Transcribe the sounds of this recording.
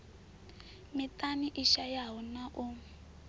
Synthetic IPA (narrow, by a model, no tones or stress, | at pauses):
mitaniʔiʃajaɦɔnaʔu